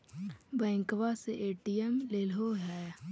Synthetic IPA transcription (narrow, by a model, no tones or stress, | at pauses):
bɛ̃ːŋkʋaseʔeːʈiɛmleːlɦoɦɛː